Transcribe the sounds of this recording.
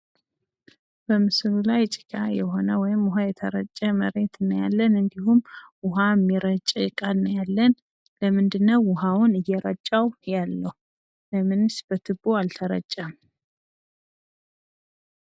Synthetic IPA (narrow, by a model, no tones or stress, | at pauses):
b̥əmɨslulajt͡ʃʼɪ̥kʰʼajɛho̞nəwɔjɪmʊɦajɛt̪ʰəɾə̰t͡ʃʼːəməɾe̞t̪ʰɨnːəja̰lːənɨnd̪ihumwʊɦamːiɾət͡ʃʼjɪkʼalnəjalːən | ləmɨnd̪ɨnːəwːʊɦawʊnɨjːɛɾət͡ʃʼːawjalːəhu | ləmɨnsb̥ət̪ʰɨboalt̪ʰəɾə̰t͡ʃʼːam